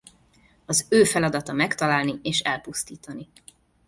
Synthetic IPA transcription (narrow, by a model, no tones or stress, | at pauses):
ɒzøːfɛlɒd̪ɒt̪ɒmɛkt̪ɒlaːlnieːʃɛlpust̪iːt̪ɒni